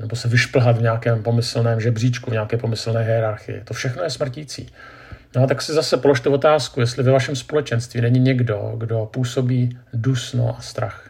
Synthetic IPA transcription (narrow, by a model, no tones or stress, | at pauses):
nɛbo̞sɛvɪʃpl̩ɦat̪vɲaːkɛːmpo̞mɪslnɛːmʒɛbriːt͡ʃkuvɲaːkɛːpo̞mɪsl̩nɛːɦɛɛɾaɾxɪ̰jɪ̰t̪o̞fʃɛxno̞jɛsmr̩ciːt͡sḭː | noat̪aksɪzasɛpo̞lo̞ʃt̪ɛvo̞t̪aːskujɛst̪lɪvɛvaʃɛmspo̞lɛt͡ʃɛnst̪viːnɛɲɪɲɛɡdo̞̰ɡdo̞puːso̞biːdusno̰ʔast̪ɾa̰x